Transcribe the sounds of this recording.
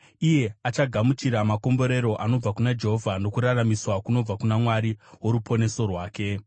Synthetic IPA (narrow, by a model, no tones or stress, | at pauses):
ije̞at͡ʃaɡʱamut͡ʃiɾamako̞mbo̞ɾe̞ɾo̞ʔano̞b͡vakunad͡ʒe̞ɦo̞vʱano̞kuɾaramiswakuno̞b͡vakunamwaɾiwo̞ɾupʰo̞ne̞so̞rwaːke̞